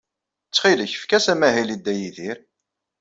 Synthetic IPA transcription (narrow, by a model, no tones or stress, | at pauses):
t͡sːχiləçə̥fkæsæmæɦilid̪ːæjiðiɾ